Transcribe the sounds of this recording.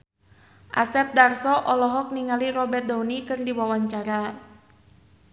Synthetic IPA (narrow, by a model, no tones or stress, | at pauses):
ʔasɛt̪̚darsɔʔɔlɔɦɔk̚niŋaliɾɔbɛt̪̚dawnikɨrdiwawaɲt͡ʃaɾa